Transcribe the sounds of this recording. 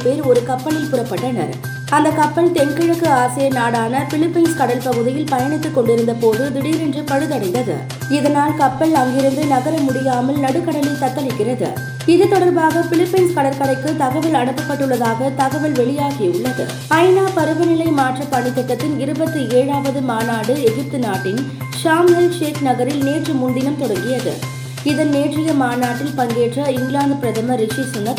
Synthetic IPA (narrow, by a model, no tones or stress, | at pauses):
peːɾɔɾɯkɐpːɐɭɪlpʊrɐpːɐʈːɐnɐ̰ɾ | ɐnd̪ɐkːɐpːɐɭt̪ɛnkɪɻɐkːɯaːsɐjɐnaːɽaːnɐfɪɭɪpːɪnskɐɽɐlpɐɣɯðɪjɪlpɐjɐɳɪt̪ːɯkːɔɳɖɪɾɯnd̪ɐpoːðɯd̪ɪɽiːɾɛndrɯpɐɻɯðɐɽɐɪnd̪ɐðɯ̰ | ɪðɐnaːlkɐpːɐɭɐŋɡɪɾɯnd̪ɯnɐɣɐɾɐmʊɽɪjaːmɐlnɐɽɯkːɐɽɐlɪt̪ɐt̪ːɐlɪkːɪrɐðɯ̰ | ɪðɯt̪ːɔɽɐɾbaːɣɐfɪɭɪpːɐnskɐɽɐɾkɐɽɐɪkːɯt̪ɐɣɐʋɪlɐɳɯpːɐpːɐʈːɯɭːɐðaːɣɐt̪ɐɣɐʋɪlʋɛɭɪjaːɣiʊɭːɐðɯ̰ | ɐɪnaːpɐɾɯʋɐnɪlɐɪmaːʈrɐpɐɳɪkːɐʈːɐt̪ːɪnɪɾɯbɐt̪ːɯeːɻaːʋɐðɯmaːnaːɽɯɛɣɪp̚t̪ɯnaːʈːɪn | ʂaːmɐlʂeːknɐɣɐɾɪlneːʈrɯmʊnd̪ɪnɐmt̪ɔɽɐŋɡɪjɐðɯ̰ | ɪðɐnneːʈrɪjɐmaːnaːʈːɪlpɐŋɡeːʈrɐɪŋɡlaːnd̪pɪɾɐðɐmɐɾɪʂisʊnːɐt